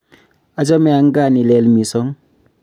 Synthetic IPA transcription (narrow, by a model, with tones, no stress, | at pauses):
a˨d͡ʒɔ˦mɛ˦a˨˦ŋ˦ɡa˦˨ni˨lɛ˨˦lmi˨sɔ˦ŋ